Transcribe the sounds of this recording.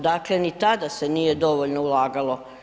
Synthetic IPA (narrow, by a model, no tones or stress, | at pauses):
d̪aːklenit̪ad̪asenije̞d̪o̞ʋo̞ʎnoulˠaːɡalˠo̞